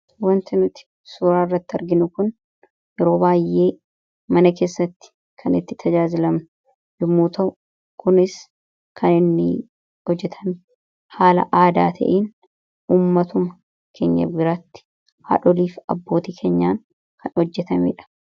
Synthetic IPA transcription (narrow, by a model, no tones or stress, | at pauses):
wɐnt̪ɪnʊt̪ɪ̥ | suːɾaːɪrːɐt̪ːɪɐɾɡɪnʊkʊn | jɛɾo̞ːbaːjːʔe̞ː | mɐnɐke̞ːsːɐt̪ːɪ̥ | kʰɐnɪt̪ːɪ̥t̪ʰɐd͡ʒaːzɪlɐmnʊ̥ | jʊmːuːt̪ɐʔʊ | kʊnɪs | kʰɐnɪnːɪ̰ | hɔd͡ʒːɛt̪ʰɐn | haːlɐ̰ʔaːd̪aːt̪ʰɐ̰ʔiːn | uːmːɐt̪ʊmɐ | kʰḛːɲːɐ̰ɡɪɾaːt̪ːɪ̥ | ha̰ːᶑɔliːfɐbːo̞ːt̪iːkʰeːɲːaːŋ | kʰɐnhɔd͡ʒːɛt̪ɐmḛːᶑɐ̥